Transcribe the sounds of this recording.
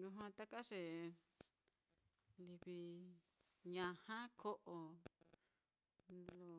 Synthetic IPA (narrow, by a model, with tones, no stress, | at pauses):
lũ˧ɦã˧t̪a˦ka˦ʂe˨ | li˧βi˧ | ɲã˨˧hã˦kʰo˦ʔo˨ | lo˧